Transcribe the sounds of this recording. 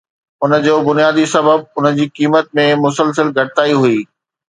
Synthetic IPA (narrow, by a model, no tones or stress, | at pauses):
ʊnə̆d͡ʑoːbʊnijaːd̪isɐbəb̚ʊnə̆d͡ʑiːkiːmət̪̚mẽmʊsəlsəlɡʱɐɽɪt̪aːiɦuiː